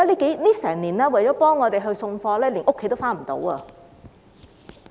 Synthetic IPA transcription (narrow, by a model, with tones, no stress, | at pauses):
a˥liː˥ke˨˥jliː˥sɛː˨˩ŋniː˨˩nɛː˥wɐ˨˩jt͡ɕɔː˨˥pɔː˥ŋːɔː˨˧t̪e˨jɦɵ˧ɥsʊ˧ŋfɔː˧lɛː˥liː˨˩ŋʔʊ˥kʰe˨˦jt̪o˥wfaː˥nm̩˨˩t̪o̰˨˥wɐː˧